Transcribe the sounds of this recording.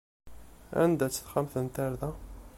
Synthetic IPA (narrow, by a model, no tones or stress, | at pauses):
æ̰nd̪æt͡sːθχamθənt̪æɾðæ